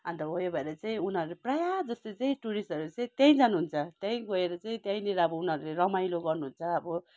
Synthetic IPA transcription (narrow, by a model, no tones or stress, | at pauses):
ʌnt̪ʌɦojobʱʌeɾʌt͡saĩunɦʌɾuleprajad͡zʌst̪ot͡saĩʈuɾisʌɾut͡saĩt̪jãj̃d͡zanuɦunt͡sʰʌt̪jãj̃ɡʌeɾʌt͡saĩt̪jãj̃leɾʌʌbʌunɦʌɾuleɾʌmajloɡʌrnuɦunt͡sʰʌːbʌ